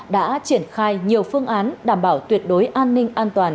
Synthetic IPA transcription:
ɗa̰ː˧˥t͡ɕi˧˩ənxaː˧jɲi˨˩əwfɨ˧əŋʔaː˨˦nɗaː˧˩mɓaː˧˩wt̪wi˨˩ət̚ɗo˨˦jʔaː˧nːï˧ŋ̟ʔaː˧nt̪waː˨˩n

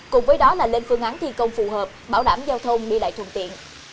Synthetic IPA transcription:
kʊ˨˩ŋ͡mvəː˨˦jɗɔ˨˦laː˨˩le˧nfɨ˧əŋʔaː˨˦nt̪ʰi˧kə˧wŋ͡mfu˨˩ɦəː˨˩p̚ɓaː˧˩wɗaː˧˩mzaː˧wt̪ʰə˧wŋ͡mɗi˧la̰˧˨jt̪ʰə̰˧˩nt̪ḭ˧˨ən

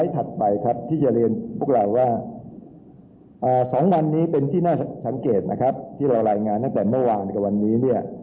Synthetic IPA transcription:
jt̪ʰa˨˩t̪̚pa˧jkʰɾa˦˥p̚t̪ʰiː˥˩t͡ɕa˨˩ɾi˧ənpʰu˥˩ək̚ɾa˧wːaː˥˩ | ʔaː˨˩sɔː˩˦ŋwa˧nːiː˦˥pe˧nt̪ʰiː˥˩naː˥˩sa˩˦ŋkeː˨˩t̪̚nʔa˦˥kʰɾa˦˥p̚t̪ʰiː˥˩ɾa˧wɾaː˧jŋaː˧nt̪a˥˩ŋt̪ɛː˨˩mɯ˥˩waː˧nka˨˩wa˧nːiː˦˥ni˥˩ɐ

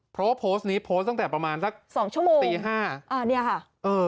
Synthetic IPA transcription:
pʰɾɔ˦˥wa˥pʰoː˦˥stniː˦˥pʰoː˦˥s̚t̪a˥˩t̪ɛː˨˩pɾa˧maː˧nsa˦˥k̚sɔː˩˦ŋt͡ɕʰu˥˩ɐmoː˧t̪iŋː˧ɦaː˥˩ʔaː˧˩ni˥˩ɐkʰa˥˩ | ʔɤː˧

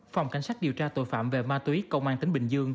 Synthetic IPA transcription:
fwŋ͡mka˧˩ŋ̟saː˦˥ɗi˨˩əwt͡ɕaː˧t̪o̰˧˨jfaː˧˨mve˨˩maː˧t̪wi˨˦kə˧wŋ͡mʔaː˧nt̪i˨˦ŋ̟ɓï˨˩ŋ̟zɨ˧əŋ

